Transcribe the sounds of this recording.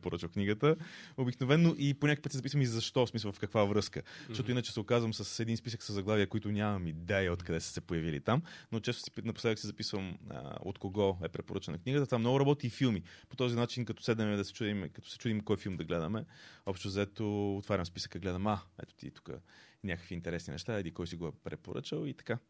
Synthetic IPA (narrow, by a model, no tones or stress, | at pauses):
poɾət͡ʃvəfkniɡət̪əobiknovɛnːoʔiponʲakojpət̪sizɐpisvɐmizɐʃt̪ɔsmislˠvɐfkəkvavɾɤskəʃt̪ɔt̪ʊinət͡ʃɛ̥sɛokazvəmsəsɛd̪inspisəksəzːɐɡlˠaviəkoit̪ʊnʲamɐmid̪ɛɛot̪kɐd̪ɛsə̥sɛpojɐvilḭt̪amnot͡ʃɛst̪ʊ̥sɛ̥nɐpʊst̪aviksizɐpisvəmə̰o̰t̪koɡɔɛpɾɛpoɾət͡ʃənɐkniɡət̪ət̪vamnɔɡʊɾɐbɔt̪iːfilˠmipo̥t̪ɔzinat͡ʃinkɐt̪ɔ̥sɛd̪nɛmɛd̪ɐsɛ̥t͡ʃud̪imkɐt̪ɔ̥sɛ̥t͡ʃud̪imkɔjfilˠmd̪ɐɡlɛd̪əmɛɔpʃt̪ozɐɛt̪oot̪vaɾʲɐmspisə̥kəɡlɛd̪əmaɛ̰t̪o̥t̪ḭt̪u̥kə̰nʲakə̥kviːnt̪ɛɾɛsninɛ̰ʃt̪aɛd̪ikɔjsiɡoɛpɾɛpo̰ɾə̰t͡ʃəlˠit̪ɐ̥ka